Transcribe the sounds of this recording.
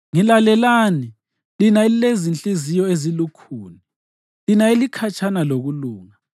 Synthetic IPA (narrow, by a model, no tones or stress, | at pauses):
ŋilalɛlaːni | linaiilezint͡ɬʼizijɔezilukʰuːni | linaelikʰat͡ʃʼʰanaloɣuluːŋa